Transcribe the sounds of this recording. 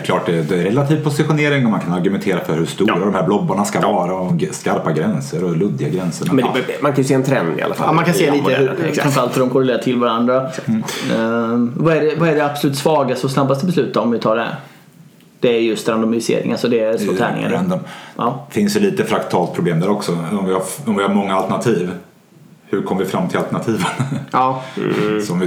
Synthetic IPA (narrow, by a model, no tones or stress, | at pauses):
klɑːʈd̪ɛd̪ɛɾɛlat̪ʰiːvpʰʊsɪɧʊneːɾɪŋɔmankʰanaɾɡɵmɛnt̪ʰeːɾafœɾhɵʂt̪uɾad̪ɔmhæːɾblɔbːaɳaskaɑːɾaɔmskaɾpaɡɾɛnsəɾɔlɵd̪ːɪɡaɡɾɛnsəɳamɛdɛmankʰanjʏseːɛnt̪ʰɾɛnd̪ɪ̰a̰lafa̰lmankʰaneːliːəɦɵɾɾanfəɾalt̪hɵɖɔmkʰɔɾɛleːɾaʈʰɪlvaɾand̪ɾasa | vaɛɖɛvaɛɖɛapsɔlʉːt̪svɑːɡast̪əɔsnabːast̪əbɛslʉ̟ːt̪aɔmvɪt̪ʰɑːɖɛæ̰ɾ | d̪̥ɛæɾjɵst̪ɾand̪ɔmɪɪsḛːɾɪ̰ŋasɔd̪ɛsɔt̪ʰɛ̰ːnɪ̰ŋa̰d̪ɛnd̪ənɑfɪnsd̪ɛliːt̪əfɾakt̪ʰɑːlt̪pʰɾʊbleːmd̪æːɾɔksɔɔmvɪhaɔmvɪhaɾmɔŋːaalt̪ɛɳat̪ʰiːv | hʉɾkʰɔmːəvɪfɾamːt̪ʰɪlalt̪ɛɳat̪ʰiːvənː | ssɔmvɪ